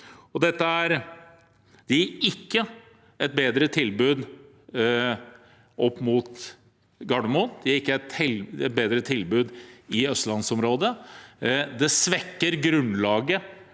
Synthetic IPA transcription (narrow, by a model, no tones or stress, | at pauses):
ɔd̪ɛt̪ːəæɾ | d̪̥ɛæɪkːə | ɛt̪̚beːd̪ɾət̪ʰɪlbʉːd̪ | ʔɔpːmuːt̪ | ɡɑɖəmuːnd̪ɛæɾɪkːəɛt̪ɪlɛt̪̚beːd̪ɾət̪ʰɪlbʉːd̪ɪœst̪lɑnsɔmɾoːd̪ə | d̪ɛsʋɛkːəɾɡɾʉnlɑːɡə